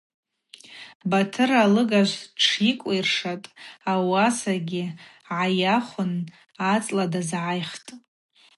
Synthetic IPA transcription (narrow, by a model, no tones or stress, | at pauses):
batʰɨralɨɡaʒʷʈ͡ʂʰikʷʼijrʂatʼawasaɡʲɪ | ʕajaχʷʊn | at͡sʼladazʕajχtʼ